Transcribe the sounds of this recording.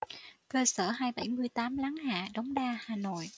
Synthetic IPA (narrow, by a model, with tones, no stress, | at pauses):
kəː˧səː˧˩ɦaː˧jɓəa˧˩jmɨ˧əjt̪aː˨˦mla˨˦ŋha̰ː˧˨ɗa˨˦wŋ͡mɗaː˧haː˨˩no̰˧˨j